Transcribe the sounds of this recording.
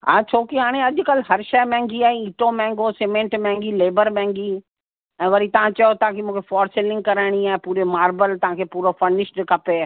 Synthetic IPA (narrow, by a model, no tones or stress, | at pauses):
ɦã̰ːt͡ɕʰoːkiɦaːɽ̃eɐʄʊ̆kɐlɦɐɾʃɐjmɛ̃ːŋɡiaːɦĩiːʈomɛ̃ːŋɡosemẽːɳʈmɛ̃ːŋɡileːbəɾmɛ̃ːŋɡi | ɛ̃ːʋɐɾit̪ɐʋ̤ãt͡ɕɐjot̪ɐãkimũːkʰefɔːɾsɪlɪ̃ŋɡ̚kɐɾaːɪɽ̃iaːẽpuːɾemaːɾbəlt̪ɐɦãkʰeːpuːɾofɐɾnɪʃɖɪkʰɐpeː